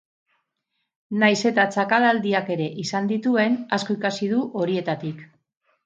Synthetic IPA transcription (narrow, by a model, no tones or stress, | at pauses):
najse̞t̪at͡sakalald̪iake̞ɾe̞ʔisand̪it̪ue̞nasko̞ikasiðuʔo̞ɾie̞t̪at̪ik